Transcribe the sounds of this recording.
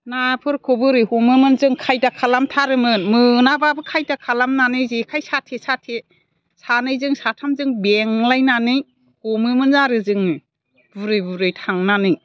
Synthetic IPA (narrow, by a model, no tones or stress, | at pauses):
napʰɯɾkʰobɯɾɯhumɯmɯnzɯŋkʰajdakʰalamtʰaɾɯmɯnmɯnababɯkʰajdakʰalamnanɯjzekʰajsatʰesatʰe | sanɯjzɯŋsatʰamzɯŋbeŋlajnanɯj | humɯmɯnzaɾɯzɯŋ | buɾɯjbuɾɯjtʰaŋnanɯj